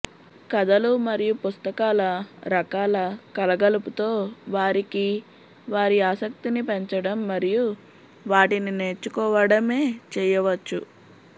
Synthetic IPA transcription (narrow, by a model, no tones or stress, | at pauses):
kɐd̪ɐlumɐɾijupust̪ɐkaːlɐɾɐkaːlɐkɐlɐɡɐluput̪o̞ːʋaːɾiki | ʋaːɾiaːsɐk̚t̪inipeɲt͡ʃɐɽɐmːɐɾiju | ʋaːʈinine̞ːt͡ʃːukɔːʋɐɽɐme̞ːt͡ʃɛːjɐʋɐt͡ʃːu